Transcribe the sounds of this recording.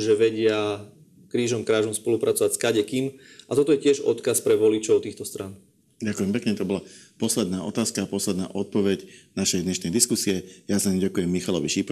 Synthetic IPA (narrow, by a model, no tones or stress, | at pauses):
ʒɛʋɛɟɪa | kɾiːʒɔmkɾaːʒɔmspɔlupɾʔat͡sɔʋacskaɟɛkim | ʔat̪ɔt̪ɔjɛcɪɛʒɔ̰t̪kaspɾɛʋɔlit͡ʃɔʊt̪iːxt̪ɔst̪ɾan | ɟakujɛmpɛkɲɛt̪ɔbɔlapɔslɛd̪naːɔt̪aːskaːpɔslɛd̪naːʔɔt̪̚pɔʋɛɟnaʃɛjd̪ɲɛʃnɛjd̪iskusiɛjasaimɟakujɛmːixalɔʋiʃip